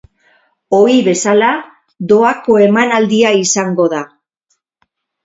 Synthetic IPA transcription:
o̞iβe̞sala | ðo̞ako̞e̞manald̪iaisaŋɡo̞ða

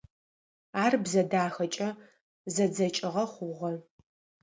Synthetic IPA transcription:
aːrbzɐdaːxɐt͡ʃʼɐ | zɐd͡zɐt͡ʃʼɪʁɐχʷʊʁɐ

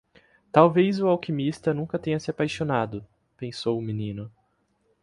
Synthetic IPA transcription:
t̪awvejzʊawkimist̪ɐnũkɐt̪ẽɲɐsɪapajʃonad̪ʊ | pẽsowʊminĩnʊ

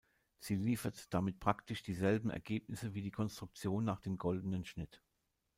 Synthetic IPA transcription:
z̥iːliːfɐtd̥amɪt̚pʁ̥aktɪʃd̥iːzɛlbm̩ʔɛ̰ɐɡeːpnɪsəviːdiːkʰɔnstʁ̥ʊk̚t͡sjoːnːaːχd̥eːmɡɔldn̩ənʃnɪt

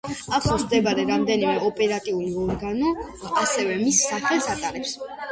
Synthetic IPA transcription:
akʰɔsmd̪ɛbaɾɛɾamd̪ɛnimɛɔpʼɛɾat̪ʼiuliɔɾɡanɔ | asɛvɛmisːaχɛlˠsat̪ʼaɾɛps

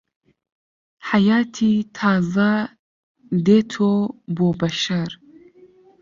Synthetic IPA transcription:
ħajaːt̪ʰit̪ʰaːza | d̪et̪ʰoboːbɐʃaɾ

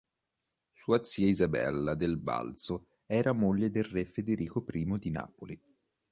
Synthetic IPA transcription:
suːat̪sːiːaizabɛ̰lːad̪elba̰lt̪so | ɛːɾamoʎːed̪elrefed̪eɾiːkopɾiːmod̪ina̰ːpoli

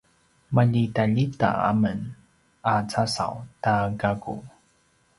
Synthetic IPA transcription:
maʎitaʎita̰a̰mən | at͡sasa̰wtaɡaɡṵ

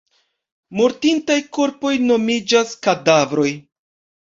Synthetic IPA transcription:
moɾtintajko̞ɾpo̞jno̞mid͡ʒaskadavɾo̞j

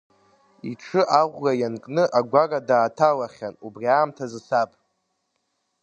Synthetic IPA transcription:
iʈ͡ʂʰɨʔaʁʷɡajankʼnɨʔaɡʷaradaːtʰalaχʲanubriaːmtʰazɨsapʼ

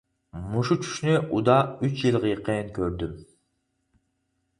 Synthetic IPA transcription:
muʃut͡ʃʰy̥ʃnøʔud̪ɑyt͡ʃjɯlˠʁijqenkʲʰøɾd̪ym

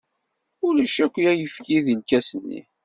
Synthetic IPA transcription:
ʊləʃækʷːjæjəfkiðilkæsənːḭ

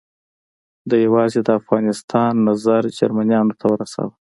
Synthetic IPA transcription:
d̪əjawɑzed̪əafɣɑnɪst̪ʰɑnːazaɾd͡ʒaɾmanjɑnot̪ʰawəɾasa̰wə

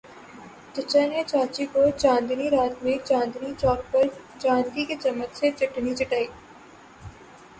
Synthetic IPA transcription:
t͡ʃɪt͡ʃənet͡ʃaːt͡ʃikot͡ʃãːnd̪niɾaːt̪mẽt͡ʃãːnd̪nit͡ʃɔːkpəɾ | t͡ʃãːnd̪iket͡ʃɐmːək̪set͡ʃɪʈnit͡ʃɪʈaːiː

